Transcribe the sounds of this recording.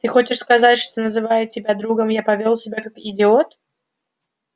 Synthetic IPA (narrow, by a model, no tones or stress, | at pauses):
t̪ɨxo̞t͡ɕɪʂskɐzatʲʂt̪o̞nəzɨvajɪt̚tʲːɪbʲad̪ɾuɡəmjapɐvʲolˠtʲɪbʲakakɪdʲɪot̪